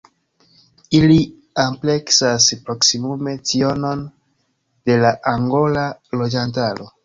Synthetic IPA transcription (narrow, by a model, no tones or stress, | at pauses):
ili | ample̞ksaspɾo̞ksimume̞t͡sio̞no̞n | de̞laʔaŋɡo̞lalo̞d͡ʒantalo̞̰